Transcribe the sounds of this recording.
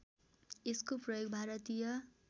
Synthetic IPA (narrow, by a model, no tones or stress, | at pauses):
eskoprʌjoɡbʱaɾʌt̪ijʌ